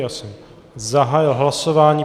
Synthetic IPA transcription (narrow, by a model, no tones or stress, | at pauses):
jasɛm | zaɦaːjɪlɦlasovaːɲiː